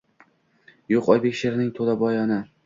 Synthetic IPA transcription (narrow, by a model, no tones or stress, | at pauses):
joqɒjbekʲʃeɾnɪŋt̪ʰolabɒjɒnɪ